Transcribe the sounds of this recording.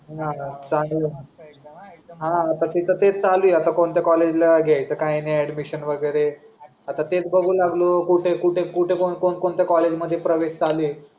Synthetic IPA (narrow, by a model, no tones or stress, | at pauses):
ɦãt͡saɡə̃ | ɦãːt̪atit̪ət̪et͡st͡salujat̪akoɳt̪jakɔled͡ʑlaɡʱeajt͡səkãjeneɛɽmiɕənʋəɡəjɾe | at̪at̪et͡sbəɡʱuːlaɡlokuʈʰekuʈʰekuʈʰekonkonkoɳt̪jakɔled͡ʑməd̪ʱːjepɾəʋeɕt͡salue